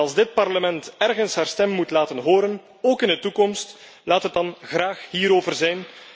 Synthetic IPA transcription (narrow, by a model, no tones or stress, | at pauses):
ɑlˠzdɪt̚pɑrləmɛntɛrɣənsɦaːrstɛmːutlaːtənɦoːɾən | oːkɪndətukɔmst | laːtɦət̚dɑnɣraːxɦiːɾoːvərzɛjn